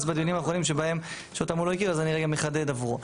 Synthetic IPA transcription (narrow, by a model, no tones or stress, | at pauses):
sbad̪ijunimaːχo̞nimʃe̞bae̞m | ʃeot̪amulojekiʁazaniʁeɡameχad̪ed̪avʁu